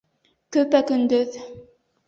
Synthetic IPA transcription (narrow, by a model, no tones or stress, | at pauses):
kɵpækɵnd̪ɵð